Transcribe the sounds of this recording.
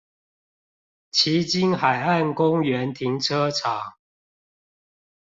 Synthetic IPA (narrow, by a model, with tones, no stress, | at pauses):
t͡ɕʰi˨˦t͡ɕi˦nxa˨˩ɪa˥˨nkʊ˦ŋɥɛ˨˦nt̪ʰi˨˦ŋʈ͡ʂʰɤ˦ʈ͡ʂʰɑ˨˩˦ŋ